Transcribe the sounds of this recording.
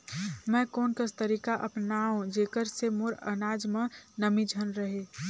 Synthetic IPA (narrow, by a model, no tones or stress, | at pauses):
mɛ̃ːkoːnkəst̪əɾiːkaʔɐ̰pnaːõd͡ʒeːkəɾsemoːɾə̰naːd͡ʒmẽnəmid͡ʒʱənɾəɦeː